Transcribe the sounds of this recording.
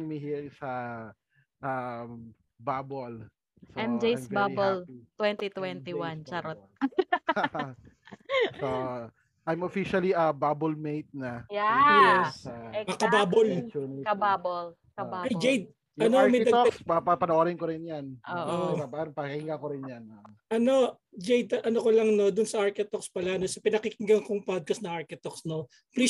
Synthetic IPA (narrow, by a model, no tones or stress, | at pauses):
miɦiːɾɪŋsɐ | ʔa | babol | sɐɛmd͡ʒejsbaolt̪wɛnt̪it̪wɛnt̪iwant͡ʃɐɾot̪̚ | o | ʔajmofiʃɐliʔɐbaːbolmejt̪̚nɐjjɛsɐkɐbaːbolt͡ʃunɪɐbabl | kɐbaɐjd͡ʒejd̪̚ | ɐnomɐjd̪ɐspɐpɐpɐnoʔoɾɪnkoɾɪnjanʔoʔoʔabaɾpɐkɐhɪŋakoɾɪnjanʔɐno̞ | d͡ʒejd̪ɐʔɐnokolɐŋno̞d̪ʊnsɐʔaɹkɪt̪okspɐlanosɐpɪnɐkɪkɪŋɡɐŋkoŋpad̪̚kɐsnɐŋaɹkɪt̪oksno | pli